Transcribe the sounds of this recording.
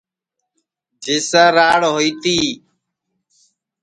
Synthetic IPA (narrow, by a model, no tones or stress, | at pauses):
d͡ʒʱiːsaːɾaːɽɦoiːt̪iː